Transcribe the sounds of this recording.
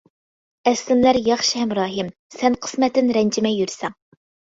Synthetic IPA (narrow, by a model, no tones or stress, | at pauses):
ɛslɪnlæɾjɑχʃihɛmɾɑːɦɨmsɛnqʰə̥smɛt̪ːɪnɾɛnd͡ʒʰɪmɛjːyɾsɛŋ